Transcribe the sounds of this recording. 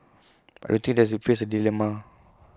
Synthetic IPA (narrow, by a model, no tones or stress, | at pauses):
ajdõnt̪ĩŋdɛsitfes̬ədilɛma